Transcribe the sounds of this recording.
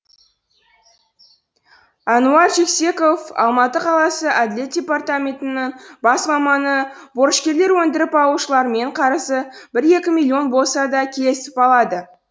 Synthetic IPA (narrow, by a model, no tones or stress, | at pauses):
ɑnuɑɾʒe̞kse̞ko̞fɑ̰lˠmɑt̪əqʰɑlˠɑsəʔæd̪ɪle̞t̪̚d̥ʲe̞part̪amʲe̞nt̪ɪnɪŋbɑsmɑmɑnəbo̞ɾəʃkʲe̞ɾle̞ɾwɵnd̪ɪɾɪpɑlˠuʃəlˠɑɾme̞ɴqʰɑɾəsəbɪɾje̞kʲɪmilʲːio̞nbo̞lˠsɑd̪ɑkʲʰele̞sɪ̥pɑlˠɑd̪ə